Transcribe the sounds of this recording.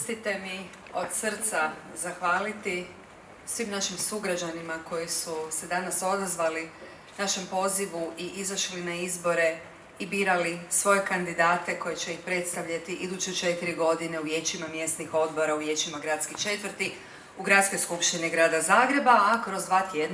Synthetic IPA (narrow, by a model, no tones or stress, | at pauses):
st̪it̪e̞mi | o̞d̪sr̩t̪sazaxʋaːlit̪i | sʋimnaʃimsuɡɾad͡ʒanimako̞jisuse̞d̪anaso̞d̪azʋali | naʃe̞mpo̞ziʋuʔiʔizaʃlinaizbo̞ɾe̞ | ibiːɾalisʋo̞je̞kand̪id̪aːt̪e̞ko̞jet͡ɕe̞ixpɾe̞t̪st̪aʋʎat̪iʔid̪ut͡ʃet͡ʃe̞t̪iɾiɡo̞d̪ine̞uʋje̞t͡ʃimamje̞st̪nixo̞d̪bo̞ɾauʋje̞t͡ɕimaɡɾat̪skit͡ʃe̞t̪ʋr̩t̪i | uɡɾat̪sko̞jskupʃt̪iniɡɾaːd̪azaːɡɾe̞baːkɾo̞zʋat̪jed̪n